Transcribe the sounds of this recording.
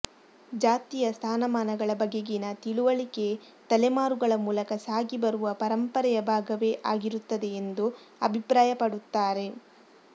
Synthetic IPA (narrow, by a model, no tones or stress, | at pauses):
d͡ʒaːt̪ijɐst̪ʰaːnɐmaːnɐɡɐɭɐbɐɡːeɡinɐt̪iɭuʋɐɭike̞ | t̪ɐlemaːɾuɡɐɭɐmuːlɐkɐsaːɡibɐɾuʋɐpɐɾɐmpɐɾɛjɐbʱaːɡɐʋe̞ːʔaːɡiɾut̪ːɐd̪e̞ːnd̪u | ɐbʱipɾaːjɐpɐɽut̪ːaːɾe̞